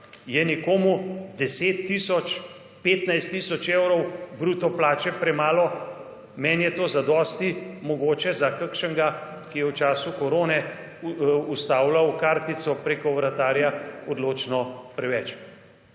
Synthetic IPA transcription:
jɛnɛkoːmud̪ɛseːt̪ːiːsɔt͡ʃ | peːt̪najst̪ːiːsɔt͡ʃewɾɔwbɾuːt̪ɔplaːt͡ʃɛpɾɛmaːlɔ | mɛnjɛt̪oːzad̪ɔːst̪imɔɡoːt͡ʃɛzakəkʃəŋɡa | kijɛwt͡ʃaːsukɔɾoːnɛ | ust̪aːwlawkaɾt̪it̪sɔpɾekɔwɾat̪aːɾjaɔd̪loːt͡ʃnɔpɾɛʋɛt͡ʃ

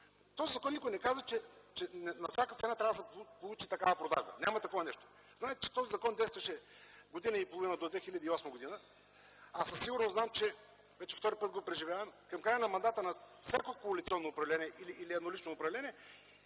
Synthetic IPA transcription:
t̪ɔzizɐkɔnikʊjnɛkazvɐt͡ʃɛt͡ʃɛnɛnɐfsʲjakət̪sɛnat̪ɾʲavəd̪ɐpolˠut͡ʃit̪ɐkavɐpɾod̪a̰ʒbə̰nʲamɐt̪ɐkɔvɐnɛʃt̪o̥ | znaɛt̪ɛt͡ʃɛ̥t̪ɔzizɐkɔnd̪ɛjst̪vɐʃɛ | ɡod̪inəipolˠovinəd̪od̪vɛxilʲɐd̪iɔsmɐɡod̪inə | asɐsːiɡʊɾnoznamt͡ʃɛ | vɛt͡ʃɛ̥ft̪ɔɾipət̪̚ɡopɾɛʒivʲjavɐmkɐmkɾajənɐmɐnd̪at̪ənɐfsʲjakokoɐlit̪sʲiɔnːoːpɾɐvlɛniɛʔiliʔːliɛd̪nolit͡ʃnoːpɾɐvlɛniɛ

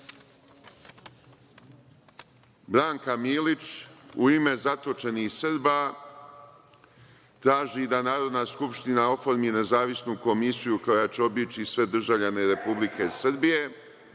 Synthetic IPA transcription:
bɾaːŋkamiːlit͡ʃuime̞zat̪o̞t͡ʃe̞nihsɨɾba | t̪ɾaːʒid̪anaːɾo̞d̪naːskupʃt̪inao̞fo̞ɾmine̞zaːʋisnuko̞misijuko̞jat͡ɕeo̞bit͡ʃisʋe̞d̪r̩ʒavʎane̞ɾe̞publikʰe̞sɾbije̞

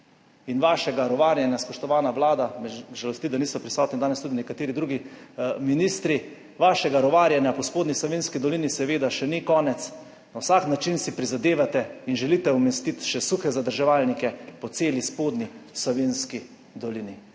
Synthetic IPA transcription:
inʋaːʃɛɡaɾɔʋaːɾjanjaspɔʃt̪ɔʋaːnaʋlaːd̪amɛʒalɔst̪id̪aniːsɔpɾisɔːt̪nid̪aːnɛst̪ud̪inɛkat̪eːɾid̪ɾuːɡiminist̪ɾi | ʋaːʃɛɡaɾɔʋaːɾjanjapɔspoːd̪nislɔʋeːnskid̪ɔlinisɛʋeːd̪aʃɛnikɔːnɛt̪s | nawsaknat͡ʃinsipɾizad̪eːʋat̪ɛinʒɛlit̪ɛɔmɛst̪it̪ʃɛsuxɛzad̪əɾʒɛʋaːlnikɛpɔt̪seːlispoːd̪nislɔʋenski | d̪ɔlini

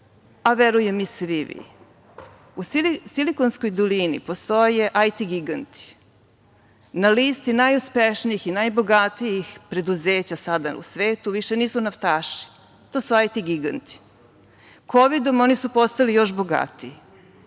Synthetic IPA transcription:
aʋeɾujemisʋiʋḭ | ussilikonskojd̪olinḭpost̪o̞je̞ʔajt̪iɡiɡant̪i̥ | naliːst̪inajuspeʃniixinajbo̞ɡat̪ijixpɾe̞d̪uze̞ːt͡ɕasad̪aṵsʋeːt̪uʋiʃe̞niːsunaft̪aːʃi̥ | t̪oːsuajt̪iɡiɡa̰nt̪i̥ | kʰo̞ʋid̪o̞mo̞nisupo̞st̪alijo̞ʃboɡa̰t̪i

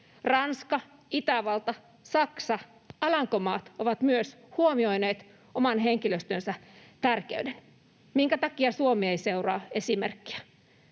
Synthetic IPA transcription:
rɑnskɑ | it̪æʋɑlt̪ɑ | sɑksɑ | ɑlɑŋkomɑːt̪oʋɑt̪myøs | huomiojneːt̪ | omɑnɦeŋkiløst̪ønsæt̪ærkeyden | miŋkæt̪ɑkiɑsuomieiseurɑːe̞simerkːi̥æ

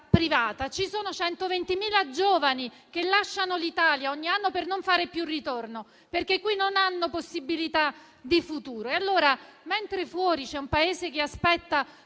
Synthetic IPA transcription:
pɾivaːt̪at͡ʃisoːnot͡ʃɛnt̪ovent̪imiːlad͡ʒoːvani | kelːaʃːanolit̪aːljaɔɲːianːopernoɱfaːɾepjurit̪orno | perkekːwinːonanːoposːibilit̪a | d̪ifut̪uːɾoealːoːɾament̪ɾefwɔːɾit͡ʃɛumpaeːzekeaspɛt̪ːa

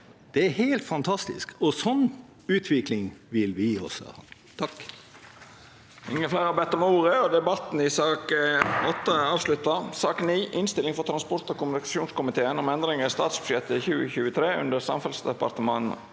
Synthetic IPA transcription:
d̪̥ɛæɾhæɪlt̪fɑnt̪ʰɑst̪ɪ̰skɔsɔnː | ʉːt̪ʰʋɪklɪŋʋɪlʋɪɔ̰sɔ̰hɑ̰n | t̪ʰɑk | ɪŋːəflæɪɾɑbɛt̪ːɔmuːɾəɔd̪ɛbɑt̪n̩ɪsɑːkɔt̪ːɑɑːʋslʉt̪ːɑsɑːkniːʔɪnst̪ɪlɪŋfɔɾt̪ʰɾɑnspɔɾt̪ɔkʊmʉnɪkɑsuːnskʊmɪt̪ʰeːənɔmɛnd̪ɾɪŋəɾɪst̪ɑːt̪sbʉʂɛt̪ːəçʉːəçʉːət̪ʰɾeːʉ̰nd̪əɾsɑ̰mfɛlsd̪ɛpɑ̰ɾt̪əmɑn̩

